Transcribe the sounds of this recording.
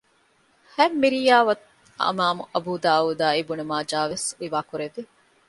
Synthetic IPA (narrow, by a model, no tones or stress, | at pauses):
hæmːiɾijaːʋɐt̪ | ɐ̰maːmuʔɐbuːd̪aːuːd̪aːibunumaːd͡ʒaːʋesiʋaːkuɾeʋi